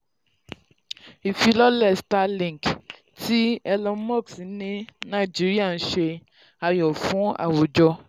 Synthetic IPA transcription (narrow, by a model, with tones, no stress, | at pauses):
i˨fi˧lɔ˦lɛ˦˨sta˧lĩ˦˨k | ti˦ɛ˧lɔ̃˧˦mɔ˦˨ksĩ˨˦nĩ˦nã˦˨d͡ʒi˦ɾi˦a˦˨n̩˦ʃe˧ | a˧jɔ˨fũ˨˦a̰˦˨wo˨d͡ʒɔ˧